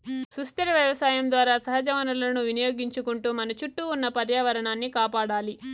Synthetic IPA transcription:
sust̪ɐɾɐʋjɐʋɐsaːjɐmd̪ʋaːɾaːsɐɦɐd͡ʒɐʋɐnɐlɐnuʋinijoːɡiɲt͡ʃukuɳʈuːmɐnɐt͡ʃuʈːuːnːɐpɐɾjaːʋɐɾɐɳaːnːikaːpaːɽaːli

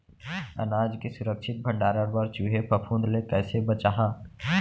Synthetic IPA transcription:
ɐ̰naːd͡ʒkesʊɾəkʃɪt̪̚bʱə̃ɳɖaːɾəɾbəɾt͡ʃuɦepʰɐpʰũːnd̪lek̪ɛːsebət͡ʃaːɦãː

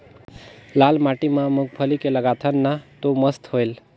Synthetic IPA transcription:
lalmaʈimãmuk̚pʰəlikeləɡat̪ʰənːat̪oməst̪hojl

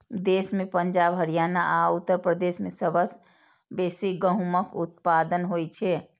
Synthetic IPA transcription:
d̪esmepəɲd͡ʒabɦəɾijanaʔaut̪ːəɾpɾəd̪esmesəbəs | besiɡəɦuməkut̪̚pad̪ənɦojt͡ʃʰɛ

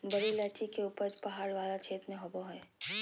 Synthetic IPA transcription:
bɐɾilɛːt͡ʃikeuːpəɾd͡ʒpɐɦaːɽʋaːlat͡ʃʰeːt̪mẽɦʊboɦɛː

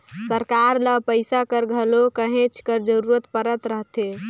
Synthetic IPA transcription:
səɾkaɾləpəjsakəɾɡʱəlokəɦẽt͡ʃʰkəɾd͡ʒəɾuɾət̪pəɾət̪ɾəɦt̪e

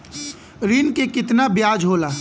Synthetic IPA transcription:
ɾiːnkekɪt̪nabjaːd͡ʒɦoːlaː

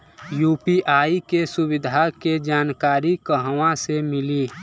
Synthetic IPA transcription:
juːpiʔaːikesubɪd̪ʱaked͡ʒaːnkaːɾikəɦwãsemɪli

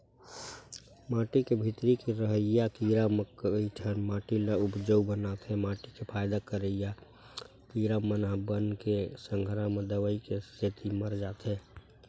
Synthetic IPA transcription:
maːʈikebʱit̪ɾikiɾəɦəjakiːɾaməkiʈʰənmãːʈiləʊpd͡ʒəwbənat̪ɦɛmaːʈikepʰaːjd̪akəɾəja | kiːɾamənɦbənkesəŋɡʱəɾamẽd̪əʋəikest̪et̪iməɾd͡ʒaːt̪ɦɛː

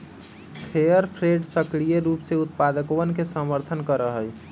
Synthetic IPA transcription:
pʰejəɾpʰɾeɖsəklijeɾupseut̪̚pad̪əkoʋənkesəməɾt̪ʰənkəɾəɦəj

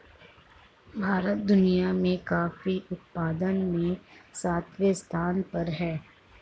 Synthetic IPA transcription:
bʱaːɾət̪̚d̪ʊnijamẽkaːfiʔʊt̪̚paːd̪ənmẽsaːt̪ʰʋjəst̪ʰaːnpɐɾɦɛː

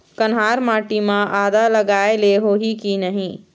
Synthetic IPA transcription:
kənɦaɾmaʈimeʔad̪aləɡaeleɦoɦikinəɦĩ

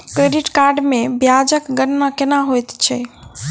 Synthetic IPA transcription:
kɾeɖiʈkaɾɖmẽbjad͡ʒəkɡəɾnakenaɦojt̪t͡ʃʰɛ

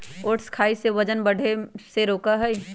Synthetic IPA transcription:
oːʈskʰaːiseʋəd͡ʒənbəɽ̤ʱeseɾoːkaɦɛi

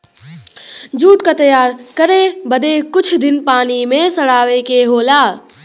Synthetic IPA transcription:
d͡ʒuːʈkat̪əjaːɾkəɾebəd̪ekʊt͡ʃʰd̪ɪnpaːnimẽsəɽaːʋekeɦoːlaː

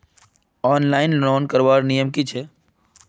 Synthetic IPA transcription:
ɔːnlaːɪnlɾoːnkəɾʋaːɾnijəmkit͡ʃʰeː

